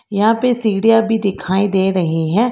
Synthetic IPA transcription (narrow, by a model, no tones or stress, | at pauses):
jɐɦãːpesiːɡɽijabʱid̪ɪkʰaːid̪eːɾɐɦeɦɛ̃ː